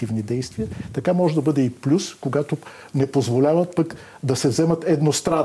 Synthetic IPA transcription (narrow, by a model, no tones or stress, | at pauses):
ivnid̪ɛjst̪viɐt̪ɐkamɔʒɛd̪ɐbɤd̪ɛiplʲuskoɡat̪o | nɛpozvolʲavət̪̚pək | d̪ɐsɛvzɛmɐt̪ɛd̪nost̪ɾa